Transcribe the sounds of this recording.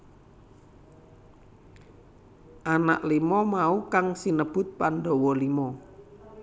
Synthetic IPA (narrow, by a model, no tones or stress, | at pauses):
ʔana̰ʔlimɔmaukaŋsinəb̥ʊ̤t̪̚pandɔ̤wɔlimɔ